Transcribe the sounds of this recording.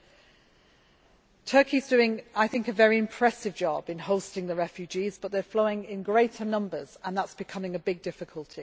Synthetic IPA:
tʰɜˑkʰizdʉːɪ̃ŋaɪθɪ̃ŋkəvɛɹiɪ̃mpʰɹ̥ɛsɪvd͡ʒɒbɪ̃nhoʊstɪ̃ŋðəɹɛfjʉd͡ʒiːzbʌʔðəfloʊɪ̃ŋɪ̃nɡɹeɪtʰənʌ̃mbəz̥ə̃nðətsb̥ɪkʰʌmɪ̃ŋəbɪɡ̚dɪfɪkʰəlˠtʰi

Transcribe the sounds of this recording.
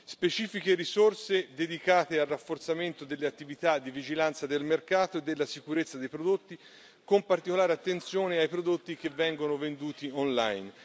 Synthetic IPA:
spet͡ʃiːfikeɾisorsed̪ed̪ikaːt̪ealrːafːort̪sament̪od̪elːeat̪ːivit̪ad̪ːivid͡ʒilant̪sad̪elmerkaːt̪oed̪ːelːasikuɾet̪sːad̪ejpɾod̪ot̪ːi | kompart̪ikolaːɾeat̪ːent̪sjoːneajpɾod̪ot̪ːik̟evːɛŋɡonovend̪uːt̪ionla̰jn

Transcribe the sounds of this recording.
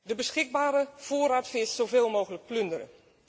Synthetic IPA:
dəbəsxɪɡ̚baːɾəfoːɾatfɪsz̥oveːlˠmoːɣələk̚plʏndərə̰

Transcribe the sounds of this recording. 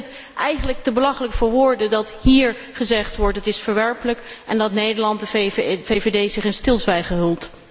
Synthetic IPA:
t | ʔɛjχənlək̚təbəlɑχələkəfʊːɹʋʊːɹdədɑthiːɹ | χəzɛχtʋɔɹtɦətɪsfəɹʋɛɹpələkʔɛndɑtnejdəɹlɑntdəvevedejzɪχɪnstɪlˠzʋɛjχəɦɵlˠt

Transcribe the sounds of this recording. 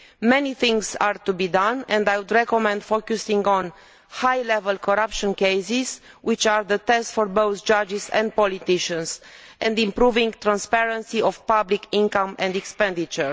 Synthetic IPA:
mɛniθɪ̃ŋɡzaɹt̪ubid̪ãnɛ̃nd̪ajwud̪ɹɛkɔmɛ̃nd̪fokusĩŋɡɔ̃n | hajlɛvəlkʰoɾapʃɔ̃nkejsizwʔit͡ʃaɾðət̪ɛstfɔɾbowθd͡ʒad͡ʒizɛ̰̃nd̪̚pɔlit̪iʃə̃nsʔɛ̃nd̪ĩmpɾuvĩŋɡt̪ɾãnspɛɹə̃nsiɔfpablikĩŋkãmɛ̃nd̪ɛkspɛ̃nd̪it͡ʃəɹ

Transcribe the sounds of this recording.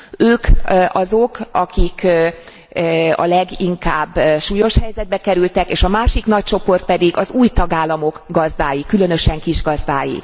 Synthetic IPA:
øːkɒzo̞kɒkik | ɒ̰lɛɡiŋkaːbːʃuːjo̞ʃhɛjzɛd̪̚bɛkɛɾylt̪ɛkeːʃɒmaːʃikn̪ɒc̚t͡ʃo̞po̞rt̪̚pɛd̪iɡɒzuːjt̪ɒɡaːlːɒmo̞kɡɒzd̪aːjikylø̞n̪ø̞ʃɛŋkiʒɡɒzd̪aːjḭ

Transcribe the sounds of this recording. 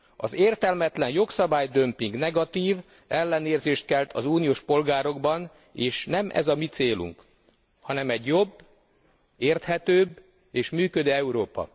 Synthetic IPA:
ɒ̰zeːrt̪ɛlmɛt̪lɛnjo̞ksɒbaːjd̪ømpiŋɡnɛɡɒt̪iːv | ɛlːɛneːrzeːʃt̪̚kɛlt̪ʰɒzuːnijoːʃpo̞lɡaːɾo̞ɡbɒn | eːʃnɛmʔɛ̰zɒmit̪seːlṵŋk | hɒnɛmɛɟjo̞bː | eːrt̪hɛt̪øːb | eːʃmyːkød̪øːɛuɾoːpɒ̰

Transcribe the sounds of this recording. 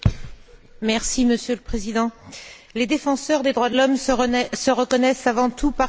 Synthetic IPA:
mɛʁsiməsjøləpχezid̪ɑ̃ | led̪efɑ̃sœʁd̪ed̪ʁwad̪lɔmsəʁəkɔnɛsavɑ̃t̪upa

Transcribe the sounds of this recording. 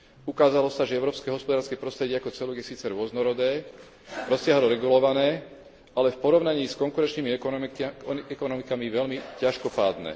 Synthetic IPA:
ukaːzalɔsaʒɛɛʊɾɔːpskɛɦɔspɔd̪aːɾskɛpɾɔst̪ɾɛɟɪɛakɔt͡sɛluɡjɛsiːt͡sɛɾʊɔznɔɾɔd̪ɛː | ɾɔsɪaɦɔlɔɾɛɡulɔʋanɛː | alɛfpɔɾɔʊnaɲiːskɔŋkuɾɛnt͡ʃniːmi | ɛkɔnɔmikamiʋɛʎmicaʃkɔpaːd̪nɛ̰ː

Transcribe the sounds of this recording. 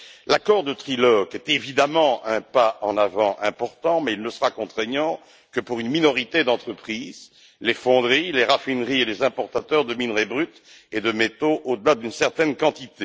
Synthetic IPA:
lakɔʁd̪ət̪χilɔɡɛt̪evid̪amɑ̃ɛ̃paɑ̰̃navɑ̃ʔɛ̃pɔʁt̪ɑ̃mɛilnəsəʁakɔ̃t̪χeɲɑ̃ | kəpuʁynminɔʁit̪ed̪ɑ̃t̪χəpχiz | lefɔ̃d̪ʁileʁafinʁielezɛ̃pɔʁt̪at̪œʁd̪əminʁebʁyt̪ | ed̪əmet̪oʔod̪əlad̪ynsɛʁt̪ɛnkɑ̃t̪it̪e

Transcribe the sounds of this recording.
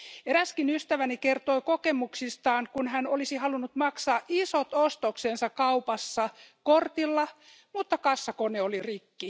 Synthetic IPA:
eɾæskinyst̪æʋænikert̪oikokemuksist̪ɑːŋkunhænolisihɑlunːut̪mɑksɑːʔisot̪ost̪oksensɑkkɑupɑsːɑkort̪ilːɑ | mut̪ːɑkɑsːɑkoneolirikːi

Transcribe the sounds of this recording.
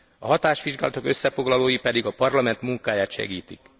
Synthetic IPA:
ɒ̰ɦɒt̪aːʃʋiʒɡa̰ːlɒt̪o̞kø̞sːɛfo̞ɡlɒloːjipɛd̪iɡɒpɒrlɒmɛnt̪muŋkaːjaːt̪ʃɛ̰ɡiːt̪ik

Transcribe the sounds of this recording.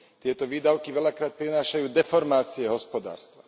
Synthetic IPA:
t̪ɪɛt̪ɔʋiːd̪aʊkiʋɛlakɾaːt̪̚pɾinaːʃajuːd̪ɛfɔɾmaːt͡siɛɦɔspɔd̪a̰ːɾst̪ʋa

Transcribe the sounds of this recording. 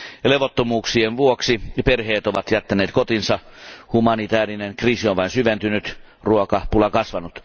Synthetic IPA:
leʋot̪ːomuːksienʋuoksiperheːt̪oʋɑt̪jæt̪ːæneːt̪kot̪insɑhumɑnit̪æːrineŋkriːsionʋɑinsyʋent̪ynyt̪ | ruokɑpulɑkɑsʋɑnut̪

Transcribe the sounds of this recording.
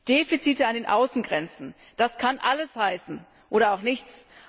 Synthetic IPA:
d̥eːfit͡siːtəandeːnʔa̰ʊsn̩ɡʁɛnt͡sn̩ | d̥askʰanʔaləshaɪsn̩ | ʔoːɾɐaʊxnɪçt͡s

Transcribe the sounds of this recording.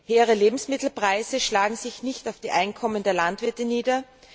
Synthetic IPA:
heːəʁəleːbm̩smɪtl̩pʁ̥aɪzəʃlaːɡŋ̩zɪçnɪçtaʊfd̥iːʔaɪnkʰɔməndeːɐlantv̥ɪɐtəniːdɐ

